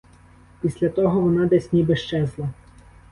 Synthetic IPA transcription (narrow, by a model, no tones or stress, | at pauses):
pʲisʲlʲɐt̪ɔɦɔʋɔnɑd̪ɛsʲnʲibɪʃt͡ʃɛzlˠɐ